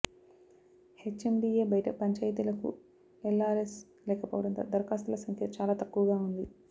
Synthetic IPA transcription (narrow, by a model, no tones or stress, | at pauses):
het͡ʃːemɖiːeːbɐjɐʈɐpɐɲt͡ʃaːjt̪̬ilɐkṵ | elːaːɾes | lɛːkɐpoːʋɐɽɐnt̪ɐ̰d̪ɐɾkaːst̪ulɐsɐŋkʰjɐt͡ʃaːlaːt̪ɐkːuʋɐɡaːund̪i